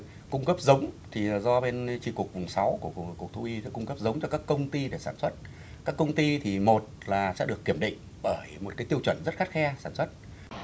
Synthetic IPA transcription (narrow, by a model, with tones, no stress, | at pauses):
kʊ˧ŋ͡mkə˦˥p̚zə˨˦wŋ͡mt̪ʰi˨˩zɔ˧ɓe˧nt͡ɕi˧ku˨˩ək̚vʊ˨˩ŋ͡msa˨˦wku˧˩ə˧ku˨˩ək̚t̪ʰu˧ʔi˧˥kʊ˧ŋ͡mkə˦˥p̚zə˨˦wŋ͡mt͡ɕɔ˧kaː˦˥kːə˧wŋ͡mt̪i˧ɗe˧˩saː˧˩nswə˦˥t̚ | kaː˦˥kːə˧wŋ͡mt̪i˧t̪ʰi˨˩mo˨˩t̚laː˨˩sɛ̰˧˥ɗɨ˨˩əkːi˧˩əmɗḭ˧˨ŋ̟ | ɓəː˧˩jmo˨˩kaː˨˦jt̪i˧əwt͡ɕwə˧˩nzə˦˥t̚xa˦˥t̚xɛ˧saː˧˩nswə˦˥t̚